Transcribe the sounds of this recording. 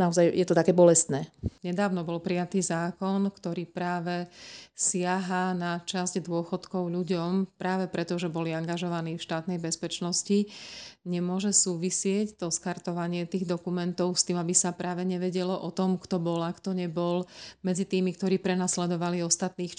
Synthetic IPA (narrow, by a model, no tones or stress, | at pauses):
naɔzajjɛt̪ɔt̪akɛːbɔlɛst̪nɛːɲɛd̪aːʊnɔbɔlpɾijat̪iːzaːkɔnkt̪ɔɾiːpɾaːʋɛsɪaɦanat͡ʃazɟd̪ʊɔxɔt̪kɔʊʎuɟɔmpɾaːʋɛpɾʔɛt̪ɔʒɛbɔliaŋɡaʒɔʋaniːfʃt̪aːt̪nɛjbɛspɛt͡ʃnɔsciɲɛmʊɔʒɛsuːʋisɪɛct̪ɔskaɾt̪ɔʋaɲɪɛt̪iːɣd̪ɔkumɛnt̪ɔʊst̪iːmabisapɾaːʋɛɲɛʋɛɟɛlɔʔɔt̪ɔmkt̪ɔbɔlakt̪ɔɲɛbɔlmɛd͡zit̪iːmikt̪ɔɾiːpɾɛnaslɛd̪ɔʋaliɔst̪at̪niːx